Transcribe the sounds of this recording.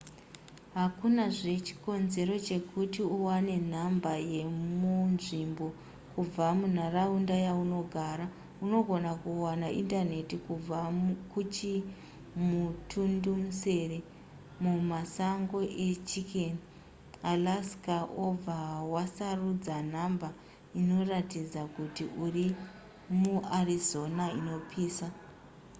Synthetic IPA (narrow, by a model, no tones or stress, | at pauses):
ɦakunaʐe̞t͡ʃi̥ko̞nze̞ɾo̞t͡ʃe̞kutiuwane̞n̤ambaje̞munʐimbo̞ | kub͡vamun̤araundajauno̞ɡʱaːɾa | uno̞ɡʱo̞nakuwanaʔindane̞tikub͡vakut͡ʃi | mutʰundumuse̞re | mumasaŋɡo̞ʔe̞t͡ʃikʰen | alaskaʔob͡vawasarud͡zan̤amba | ino̞ratid͡zakutiʔuri | muarizo̞naino̞pʰiːsa